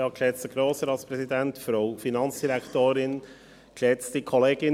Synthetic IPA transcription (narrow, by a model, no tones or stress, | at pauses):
ɑːkʰlɛt͡səɡ̥ɾoːsəɾɑtspɾɛsidɛntfɾoʊfinɑnt͡sd̥iɾækʰtoːɾɪn | kʰlɛt͡stikʰɔleːɡɪ